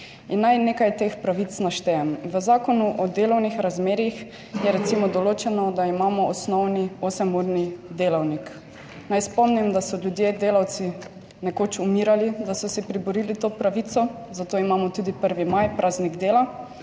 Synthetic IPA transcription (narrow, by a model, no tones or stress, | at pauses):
inːajneːkajt̪eːxpɾaʋit̪snaʃt̪ɛɛmʋəzaːkɔnuʔɔd̪eːlɔwnixɾazmeːɾix | jɛɾɛt̪simɔd̪ɔloːt͡ʃɛnɔd̪aimaːmɔɔsnɔwniosɛmuɾnid̪eːlawnik | najspɔmnimd̪asɔlʲjud̪jed̪eːlawt̪si | nɛkoːt͡ʃumiɾalid̪asɔsɛpɾibɔɾilit̪oːpɾaʋit̪sɔ | zat̪oːimaːmɔt̪ud̪ipəɾʋimajpɾʔaːzniɡd̪eːla